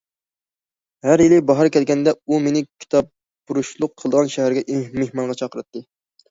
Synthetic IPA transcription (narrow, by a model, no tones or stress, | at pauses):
hæɾjilɪbɑɦɑɾkʲʰɛlɡʲɛnd̪ɛumenɪkʲʰi̥t̪ʰɑp̚ː | buɾuʃlˠʊqʰːəlˠd̪əʁɑnʃæɦæɾɡʲɛʔmehmɑŋʁɑt͡ʃʰɑqʰəɾɨt̪ːɨ